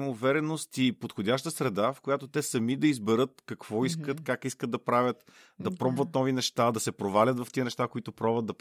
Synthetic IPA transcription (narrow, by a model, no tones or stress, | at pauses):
muvɛɾɛnost̪ipot̪xodʲaʃt̪əsɾɛd̪afkojat̪ot̪ɛsɐmid̪ɐizbɛɾɤt̪kɐkvɔiskət̪kakiskəd̪̚d̪ɐpɾavʲjət̪ | d̪ɐpɾɔbvət̪̚nɔvinɛʃt̪ad̪ɐsɛpɾovalʲət̪vɐft̪iənɛʃt̪akoit̪ʊpɾɔbvəd̪d̪ɐp